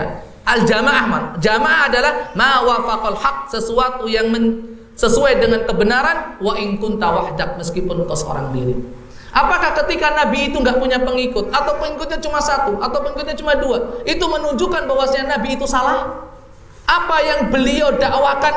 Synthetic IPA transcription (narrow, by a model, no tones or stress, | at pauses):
ʔald͡ʒamaʔahmand͡ʒamaʔaɦadalahmawafaqalħaq̚səsuat̪ujaŋmən | səsuajdəŋankəbənaɾanwaʔɪnkʊnt̪awahdak̚məskipʊnkəsəo̰ɾa̰ŋdiɾḭ | ʔapakahkət̪ikanabiːt̪uŋɡaʔpuɲapəŋikʊt̪̚at̪awpəŋikʊt̪̚ɲat͡ʃumasat̪uʔat̪awpəŋikʊt̪̚ɲat͡ʃumaduaʔit̪umənuɲd͡ʒukanbawasɲanabiːt̪usalah | ʔapajaŋbəliawdaʔwakan